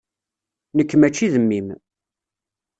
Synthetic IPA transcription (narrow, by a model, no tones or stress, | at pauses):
nəkːmæt͡ʃːiðəmːim